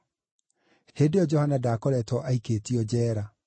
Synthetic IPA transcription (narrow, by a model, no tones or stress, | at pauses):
heːdeɔd͡ʒɔhanadaːkɔɾɛtɔʔaikeːtiɔd͡ʑɛːɾa